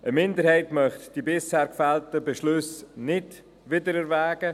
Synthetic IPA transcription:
ʔəmɪndəɾhɛɪtmœχtd̥ibɪshɛːɾkfɛltəbeʃlɵsnɪd̥ | ʋɪdəɾɛɾvæːɡə

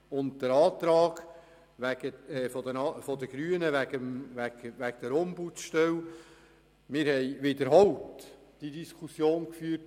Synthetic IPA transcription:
ʊntd̥əɾɑːt̪ɾɑːɡ̥ | ʋæɡ̥əɛfɔdənɑfɔd̪əɡ̥ɾyənəʋæɡəmʋæɡʋæɡd̪əɾɔmbutʃtɛw | mɪːɾhɛjʋɪdəɾɦɔwt | d̥idiskʰusjoːnkfyːrt

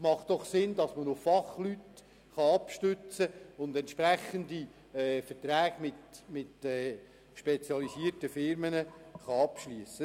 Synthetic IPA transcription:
mɑχtd̥ɔχsɪnd̪ɑsmənʊffɑχlyt | χɑɑpʃtʏt͡səʊnd̪ɛntʃpɾæχənd̪i | ɛːfəɾtɾæːɡ̥mɪtmɪtɛː | ʃpet͡sjɑlisiːəɾtəfɪɾmənəχɑɑpʃlyəsə

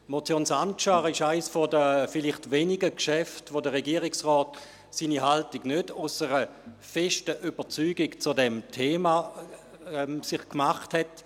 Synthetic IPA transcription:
motjoːnsant͡ʃaʁɪʃaɪsfɔdəfɪlɪχtveːniɡəkʃɛftvodəʁɛɡiːəʁɪksʁɔːt | siːniɦaltiɡnødʊsəʁə | fɛʃtəʔybət͡syːɡɪkt͡sudɛmtʰeːma | ɛmsɪχkmaχthɛt

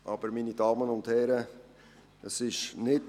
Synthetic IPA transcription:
ʔɑb̥əɾminidɑːmənʊndhɛɾə | əsɪʃnɪt

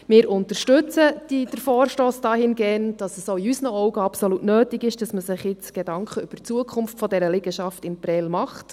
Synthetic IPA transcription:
mɪːɾʔʊntəɾʃtʏt͡səd̥id̥əɾfɔːɾʃtoːsd̥ɑːhɪnɡɛːnd̥ɑsəsoiysnəɔwɡəɑpsolutnøːtɪɡɪʃd̥ɑsməsɪχjɪt͡sɡ̥edɑŋkχəʏb̥ərt͡suəkʰʊmftfɔdɛɾəlɪɡ̥əʃɑftɪnpɾɛlmɑχt

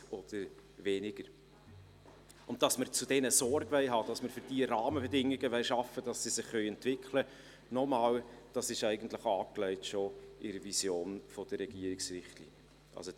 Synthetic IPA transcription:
ɔd̥əɾʋɛnɪɡ̥əɾ | ʊnt̚d̥ɑsməɾt͡sud̥ɛnəsɔɾɡʋɛɪɦɑːd̥ɑsməɾfʏɾd̥iəɾɑːməbɛdɪŋːɪɡəʋɛɪʃɑfːəd̥ɑsːisɪχːœʏɛntvɪkʰlə | nɔmɑːld̥ɑsɪʃæɪɡən̩t̪ləχɑːklɛɪtʃoʔɪɾəvisjoːnfɔd̥əɾɛɡ̥iəɾɪksrɪχtlḭːnjə | ʔɑ̰lso

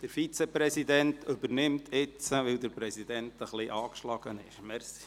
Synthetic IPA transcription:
d̪̥əɾfit͡sepɾɛsidɛntʰɵbəɾnɪmt̪ʰɪt͡səʋɪld̪əɾpɾɛsid̪ɛntəχliʔɑːkʃlɑɡ̥ənɪ̰ʃmɛɾsi̥

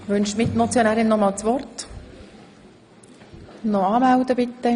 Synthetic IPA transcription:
ʋʏnʃmɪtnɔt͡sjonæːɾɪnnɔmɑːlt͡sʋɔrt | nɔɑːmæld̪əbɪt̪ːə

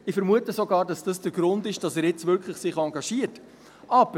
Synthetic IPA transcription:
ɪfɛɾmuətəsoɡɑːɾdɑsd̥ɑsd̥əɡ̥ɾʊndɪʃd̥ɑsɛːɾjɪt͡svʏɾkʰləχsɪχɑŋɡɑʃiət | ʔɑb̥ə

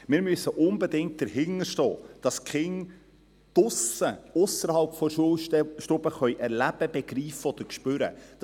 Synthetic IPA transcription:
mɪːɾmyøsːəʔʊnbɛdɪŋt̚d̥əɾhɪŋəɾʃtɔ̰ːd̥ɑskχɪŋ | d̥ʊsəʊsəɾhɑlpfɔʃuəlʃtʊbəχœʏʔɛɾlæb̥əb̥ɛɡ̥ɾiːfəɔd̥̪əɾkʃpøɾə̰d̥

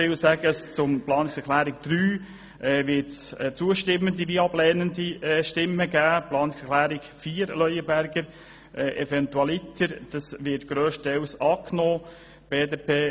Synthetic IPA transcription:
ɪlsæɡ̥əst͡sʊmplɑːnɪksɛɾχlæːɾɪɡ̚d̪̥ɾyː | ʔɛːʋɪtsɛt͡suəʃtɪmːəndiʋiɑblɛːnəndiɛʃtɪmːəɡæːplɑːnɪksɛχlæːɾɪkfiːəɾlœʏəbæɾɡəɾ | ʔɛʔɛfɛntuɑlɪt̪ʰəɾd̥ɑsʋɪtɡ̥ɾøːʃtɛwsɑːknoː | b̥eːdeːpʰeː

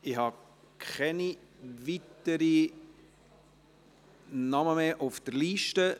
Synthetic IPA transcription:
ɪhɑ | kʰχɛniʋitəɾi | nɑməmeːʔʊfd̥əɾliːʃtə

